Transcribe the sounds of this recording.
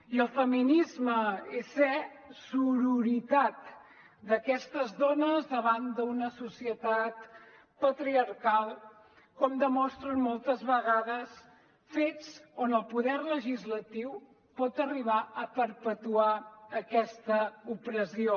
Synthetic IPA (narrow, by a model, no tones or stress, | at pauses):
iəlˠfəminizməesɛ | suɾuɾit̪at̪ | d̪əkɛst̪əzðonəzðəβ̞and̪unəsusiət̪at̪ | pət̪ɾiəɾkalˠ | kɔmd̪əmɔst̪ɾənmɔlˠt̪əzβəɣaðəs | fet͡sonəlˠpuðɛrləʒizlət̪iw | pɔt̪əriβ̞aʔəpəɾpət̪uaəkɛst̪əupɾəzio